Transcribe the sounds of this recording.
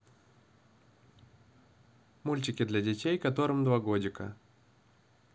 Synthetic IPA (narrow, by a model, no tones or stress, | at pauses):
mulʲtʲɪkʲɪd̪lʲɐdʲɪtʲejkɐt̪o̞ɾɨmd̪vɐɡo̞dʲɪkə̰